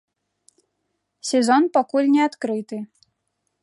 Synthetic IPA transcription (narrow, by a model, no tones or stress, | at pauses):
sʲɛzɔnpakulʲnʲɛat̪kɾɨt̪ɨ